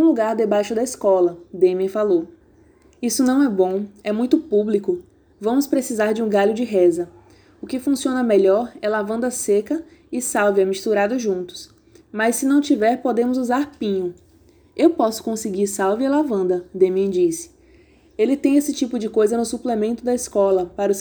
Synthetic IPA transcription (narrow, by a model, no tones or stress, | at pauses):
ũluɡaɾd̪ebajʃʊd̪ɐiskɔlɐd̪ẽmẽfalow | isʊnɐ̃w̃ɛbõɛmũj̃t̪ʊpublikʊ | vɐ̃mʊspɾesizaɾd͡ʒɪũɡaʎʊd͡ʒɪɦɛzɐ | ʊkɪfũsiõnɐmeʎɔɾɛlavɐ̃nd̪ɐsekɐ | ɪsawvɪɛmiʃt̪uɾad̪ʊʒũnt̪ʊ̥s | mɐsːɪnɐ̃w̃t͡ʃivɛɾpod̪ẽmʊzuzaɾpĩɲʊ | ewpɔsʊ̥kõsɪɡiɾsawvɪalavɐ̃nd̪ɐd̪ẽmẽd͡ʒisɪ̥ | elɪt̪ẽj̃esɪt͡ʃipʊd͡ʒɪkojzɐnʊsuplemẽnt̪ʊd̪ɐiskɔlɐpaɾɐʊs